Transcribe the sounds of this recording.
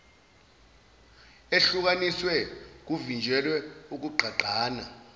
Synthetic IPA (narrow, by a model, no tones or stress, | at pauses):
eɬuk̬aniswɛk̬uvind͡ʒʱɛlwɛuk̬uǃʱaǃaːna